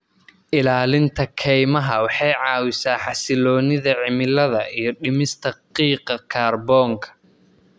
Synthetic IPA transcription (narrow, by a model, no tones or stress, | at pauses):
ʔɪlaːlɪnt̪ʰɐkʰɛjmɐɦɐwɑħɑjʕɑːwɪsaːħɑsɪlɔːnɪðɐʕɪmɪlɐðɐijɞɖɪmɪst̪ʰɐqiːqɐkʰaːrbɔːŋkʰɐ̥